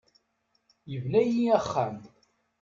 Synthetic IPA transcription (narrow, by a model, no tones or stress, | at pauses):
jəvnæjiæχːæm